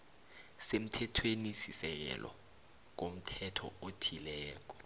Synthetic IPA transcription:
sem̩tʰɛtʰwenisisɛk̬ɛ̰lʔɔ̰ | k̬om̩tʰɛtʰɔ̰otʰilɛːk̬ɔ̥

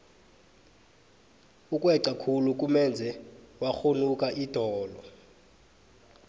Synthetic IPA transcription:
ukʼwɛǁakʰuluk̬ʼumɛnd͡zʱɛwaxonukʼaʔid̥ʱɔːlɔ

